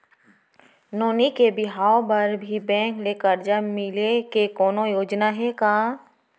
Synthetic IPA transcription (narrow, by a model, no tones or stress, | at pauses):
noːnikebɪɦaːobɐɾbʱibɛ̃ːŋkleːkəɾd͡ʒamɪlekekɔːnojoːd͡ʒnaɦɛkaː